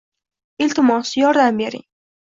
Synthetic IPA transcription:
ɪlt̪ɪmɒsjɒɾd̪ambeɾɪ̰ŋ

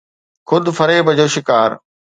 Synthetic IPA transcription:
xʊd̪ʊfɐɾebɐd͡ʑoːʃɪkaːɾ

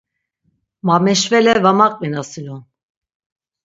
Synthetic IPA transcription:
mamɛʃvɛlɛvamaqʼminasilun

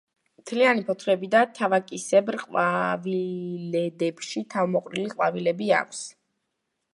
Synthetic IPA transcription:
mt̪ʰlianipʰɔt̪ʰɾɛbid̪at̪ʰavakʼisɛbɾqʼwavilɛd̪ɛpʃit̪ʰavmɔqʼɾiliqʼwavilɛbia̰kʷʰs

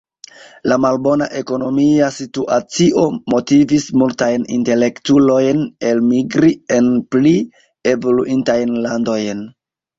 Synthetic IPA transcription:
lamalbo̞naʔe̞ko̞no̞miasituʔat͡siʔo̞mo̞tivismultajnḭnte̞le̞ktulo̞jne̞lmiɡɾie̞npli | e̞vo̞luʔintajnlando̞jn

